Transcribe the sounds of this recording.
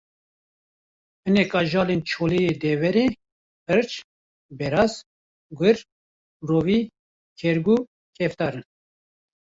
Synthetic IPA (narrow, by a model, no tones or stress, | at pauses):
hɨnɛkɑːʒɑːlent͡ʃʰoːlejeːd̪ɛvɛɾeː | ɨɾt͡ʃ | bɛɾɑːz | ɡʷɨɾ | roːviː | kʰɛɾɡuː | kʰɛft̪ɑːɾɨn